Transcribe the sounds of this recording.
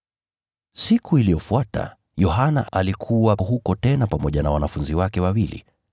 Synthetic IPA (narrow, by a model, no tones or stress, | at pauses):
sikʰuilijɔfuata̰ | jɔɦanaʔʔalikʰuwaɦukɔtɛnapamɔʄanawanafunziwakɛwawilḭ